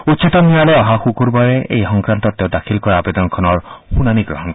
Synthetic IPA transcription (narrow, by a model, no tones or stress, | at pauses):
utːt͡ʃit̪ɔnːialeɔɦaxukuɾbaɾeḛjhɔŋkɾant̪ɔt̪ed̪akʰilkɔɾaːbed̪ɔnɔkʰɔnɔɾxunaniɡɾɔ̰ɦɔnk